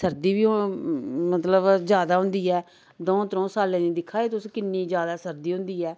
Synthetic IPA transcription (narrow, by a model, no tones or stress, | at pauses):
səɾd̪iːbiː | mət̪ləbzjaːd̪aːɦʊ̃nd̪iːɛː | d̪ɔ̃ːt̪ɾɔ̃ːsaːlɛ̃ːniːd̪ɪkʰːaːeːt̪ʊskɪnːiːd͡ʒjaːd̪aːsəɾd̪iːɦʊ̃nd̪iːɛː